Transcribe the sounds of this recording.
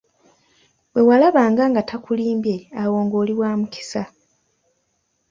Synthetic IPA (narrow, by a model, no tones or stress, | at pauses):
bwe̞walaβaːŋɡaŋɡatʰakuliːmbje̞awo̞ːŋɡo̞ːliwaːmukʰi̥sa